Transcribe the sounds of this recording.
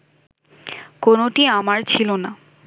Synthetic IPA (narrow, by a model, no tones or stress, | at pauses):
konoʈiamaɾt͡ɕʰilona